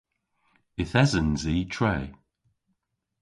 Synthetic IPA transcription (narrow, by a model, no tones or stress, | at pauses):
ɪθɛzənziːtʰɹeː